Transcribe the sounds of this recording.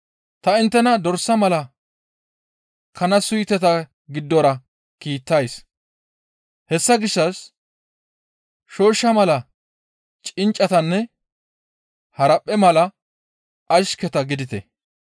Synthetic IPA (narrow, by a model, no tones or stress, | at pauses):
t̪ɐɪnt̪ːɛnɐd̪ɔɾsːɐmɐlɐ | kʰɐnɐsʊjt̪ɛt̪ɐ | ɡɪd̪ːɔɾɐ | kiːt̪ːɐjs | hɛsːɐɡɪʃːɐs | ʃo̞ːʃːɐmɐlɐ | t͡ʃʼɪnt͡ʃʼɐt̪ɐnːɛ | hɐɾɐpʼːɛmɐlɐ | ʔɐʃkɛt̪ɐɡɪd̪ɪt̪ɛ̰